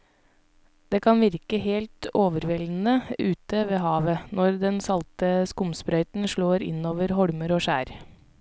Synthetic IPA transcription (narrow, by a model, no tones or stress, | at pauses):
d̪̥eːkʰɑnʋɪɾkəɦeːlt̪oːʋəɾʋɛln̩əʉːt̪əʋeːɦɑːʋənɔɾd̪ɛnsɑlt̪əskʊmspɾœʏt̪n̩ʃɭoːɾɪ̰noːʋəɾɦɔɽməɾoːʃæːɾ